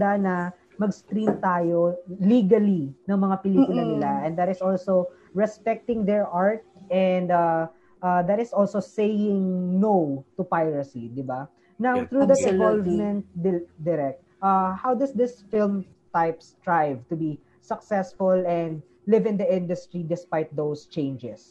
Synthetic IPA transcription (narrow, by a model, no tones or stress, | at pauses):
d̪anɐ | mɐɡst̪ɾimt̪aːjoliɡɐlinɐŋmɐŋapɪliːkulɐnɪlaʔɛnd̪ɐt̪ɪsolso | ɹɛspɛk̚t̪ɪ̃ŋd̪ɛɹʔaɹt̪̚ɛnd̪a | ʔad̪ɐt̪ɪsolsosejɪ̃ŋnowt̪upajɹɐsid̪ɪba | nawθɹud̪ɐɪ̃nvɔlvmɛ̃nt̪̚d̪d̪ɪɾɛk̚t̪ʔahawd̪ɐsd̪ɪsfɪlm | t̪ajpst̪ɹajvt̪ʊbi | sɐksɛsfʊlɛ̃nd̪̚ | lɪvɪ̃nd̪ɐʔɪ̃nd̪ʊst̪ɾɹid̪ɛspajt̪̚d̪owst͡ʃẽj̃nd͡ʒɛs